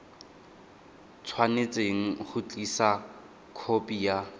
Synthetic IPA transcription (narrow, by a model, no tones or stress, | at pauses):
t͡sʰwanet͡sʼeŋ̩χʊt͡ɬʼisa | kʰopʼija